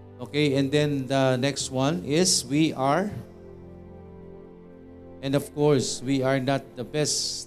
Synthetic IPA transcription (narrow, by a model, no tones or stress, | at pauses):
okeɛ̃nd̪ɛ̃nd̪ənɛkst̚wʌ̃nɪswiʔaɹ | ɛ̃nɔvkɔɹswiaɹnat̪̚d̪əbɛs